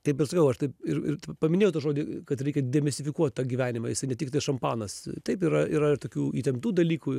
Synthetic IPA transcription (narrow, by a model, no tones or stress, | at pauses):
t̪ʲɐɪpɪɾsɐkɐʊɐʃt̪ɐɪpɪɾɪ̰ɾtpɐmʲɪnʲeːjʊt̪uːʒoːd̪ʲikɐt̪ɾʲɛɪkʲɛd̪ʲɛmʲɛst̪ʲɪfʲɪkuɔt̪ʲt̪ɑːɡʲiːʋʲæːnʲɪmɑ̰jɪsɐɪnʲɛtʲɪkt̪ɐɪʃɐmpɑːnɐst̪ɐɪpiːɾɐiːɾɐɪɾt̪oːkʲuːiːt̪ʲɛmpt̪uːd̪ɐlʲiːkuː